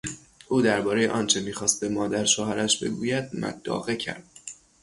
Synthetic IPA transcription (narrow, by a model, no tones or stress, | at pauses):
ʔuːd̪æɾbɒːɾe̞jeʔɒːnt͡ʃʰe̞miːxɒːst̪̚be̞mɒːd̪æɾʃoɦæɾæʃbe̞̰ɡṵːjæd̪̚mæ̰d̪̥ːɒ̰ːɣe̞cʰæ̰ɾd̪̥̚